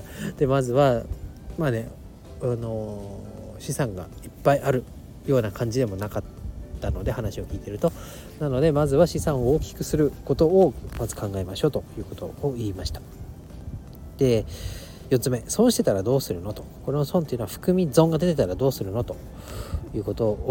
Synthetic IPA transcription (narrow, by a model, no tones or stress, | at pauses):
d̪̥e̞mazɨβa | maːne̞ | ano̞ | ɕisãŋɡa̰ipːaiʔaɾɯ̟ | jo̞ːnakʰãɲ̟d͡ʑid̪e̞mo̞nakat̪ːano̞d̪e̞hanaɕio̞kʲiːt̪e̞ɾɯ̟t̪o̞ | nano̞d̪e̞mazɨβaɕisãɰ̃ooːkʲi̥kɯ̟sɨɾɯ̟ko̞t̪o̞ːmazɨkãŋɡaemaɕo̞ːt̪o̞jɯ̟ːko̞t̪o̞̰ːiːmaɕi̥t̪ḁ | d̪̥e̞ | jo̞t̪t͡sɨme̞so̞ːɕi̥t̪e̞t̪aɾad̪o̞ːsɨɾɯ̟no̞t̪o̞ko̞ɾe̞osõnt̪iɯ̟noaɸɯ̟̥kɯ̟mʲizõ̞ŋɡad̪e̞t̪e̞t̪aɾad̪o̞ːsɨɾɯ̟no̞t̪o̞ | jɯ̟ːko̞t̪o̞